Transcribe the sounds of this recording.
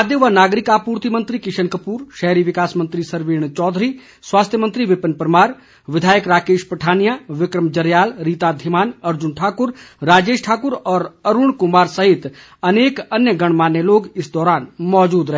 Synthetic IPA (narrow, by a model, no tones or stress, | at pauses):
d̪jeʋanaːɡɾɪkaːpuːɾt̪imə̃nt̪ɾikɪʃənkəpuːɾʃɛɦɾiʋɪkaːsmə̃nt̪ɾisɐɾʋeːɽ̃t͡ʃɔːd̪ʱɾiː | swaːst̪ʰjəmə̃nt̪ɾiʋɪpənpəɾmaːɾ | ʋɪd̪ʱaːjəkɾaːkeːʃpɾəʈʰaːnijaʋɪkɾəmd͡ʒɐɾjaːlɾiːt̪ad̪ʱɪmaːnɐɾd͡ʒʊnʈʰaːkʊɾɾaːd͡ʒeːʃʈʰaːkʊɾɔːɾɐɾʊɳkʊmaːɾsəɦɪt̪ | ɐneːkɐnjəɡɐɽ̃maːnːeloːɡɪsd̪ɔːɾaːnmɔːd͡ʒuːd̪ɾɐɦe